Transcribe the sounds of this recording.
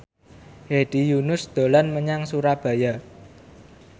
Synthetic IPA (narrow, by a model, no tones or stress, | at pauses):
heɖ̥ijunʊsd̪̥o̤lanməɲaŋsuɾab̥ä̤ja